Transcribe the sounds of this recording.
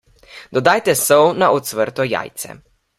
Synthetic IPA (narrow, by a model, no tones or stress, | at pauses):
d̪̥ɔd̪ajt̪ɛsɔwnaʔɔt̪sʋəɾt̪ɔja̰ːjt̪sɛ̰